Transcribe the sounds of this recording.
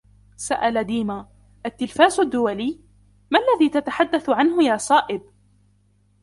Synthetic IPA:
saʔalad̪iːma | ʔat̪ːɪlfaːzʊd̪ːʊwaliː | malːaðiːt̪at̪aħad̪ːaθʊʕanɦʊjaːsˤɑːʔɪb

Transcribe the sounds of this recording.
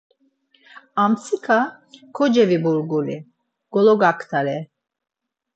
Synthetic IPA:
amt͡sʰikʰa | kʰɔd͡ʒɛvibuɾɡuli | ɡ̥ɔlɔɡakʰt̪ʰaɾɛ

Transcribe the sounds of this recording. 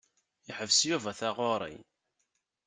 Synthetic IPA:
jəħəvsjuvæθaʁoɾˤḭ

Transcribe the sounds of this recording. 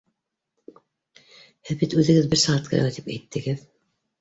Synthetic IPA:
hæbit̪ʉðɘ̆ɡɘðbɘɾsɑʁɑt̪̚kʰɤ̰ɾ̰ɑt̪ipæ̰jt̪ːɘ̆ɡɘð

